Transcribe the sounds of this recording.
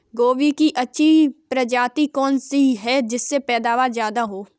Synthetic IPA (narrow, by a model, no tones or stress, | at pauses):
ɡoːʋikiʔɐtːʃʰipɾɐd͡ʒaːt̪ikɔːnsiɦɛd͡ʒɪsːepɛːd̪aːʋazjaːd̪aɦoː